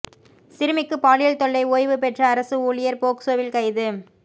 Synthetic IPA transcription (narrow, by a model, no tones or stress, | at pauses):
sɪɾɯmɪkːɯpaːɭɪjɐlt̪ɔɭːɐɪoːjʋɯpɛʈrɐːɾɐsɯuːlɪjɐɾpoːksoːʋɪlkɐɪðɯ